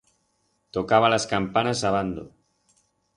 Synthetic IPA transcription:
t̪okaβ̞alaskampanasaβ̞and̪o̰

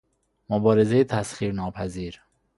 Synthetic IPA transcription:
mobɒːɾezejet̪ʰæsχiːɾnɒːpʰæziːɾ

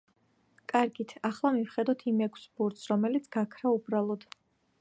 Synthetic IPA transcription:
kʼaɾɡit̪ʰaχlˠamivχɛd̪ɔt̪ʰimɛkʷʰsbuɾt̪sɾɔmɛlit̪sʰɡakʰɾaubɾalˠɔd̪̥

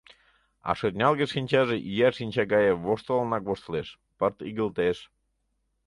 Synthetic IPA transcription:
ɑ̰ʃɤt̪ʲnʲɑlˠɣeʃinʲt͡ɕɑʒeʔijæʃinʲt͡ɕɑɡɑjeβoʃt̪olnɑkβoʃt̪leʃ | pərt̪iɣəlt̪eʃ

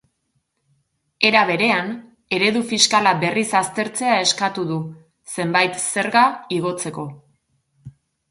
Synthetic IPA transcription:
e̞ɾaβe̞ɾe̞an | e̞ɾe̞ðufiskalabe̞risast̪e̞ɾt͡se̞ae̞skat̪uðu | se̞mbajt̪se̞ɾɣaiɣ̞o̞t͡se̞ko̞

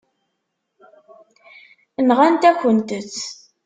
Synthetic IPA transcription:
ənʁænt̪æçənt̪ət͡sː

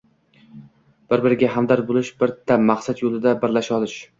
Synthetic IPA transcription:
b̥ɪɾbɪɾɪɡʲaɦamd̪aɾbolˠɪʃbɪɾt̪ʰːamaqsat̪jolˠɪd̪abɪɾlaʃɒlˠɪʃ

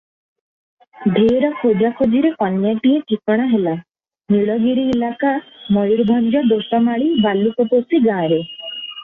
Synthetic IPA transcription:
ɖʱeːɾɔkʰod͡ʒakʰod͡ʒiɾekɔnjaʈiekikɔɽ̃aɦela | miɭɔɡiɾiːlakamɔjuɾbʱɔnɾɔd̪oʈɔmaɭibalukɔposiɡãːɾe

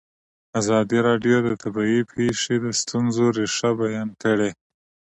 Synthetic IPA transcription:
azɑd̪iɾɑɖjod̪ət̪ʰabɑipʰeʂed̪əst̪unzoɾeʂabajɑnkəɽe

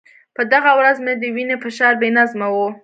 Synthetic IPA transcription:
pəd̪aɣawɾazmed̪əwinepəʃɑɾbenazmawu

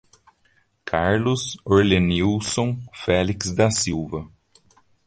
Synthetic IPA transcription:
kʰaɾlʊzoɾleniwsõfɛliksd̪ɐsiwvɐ

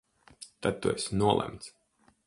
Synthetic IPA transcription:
t̪ad̪̚t̪ːuɛsʲnuɔlˠʔæ̰mt̪s

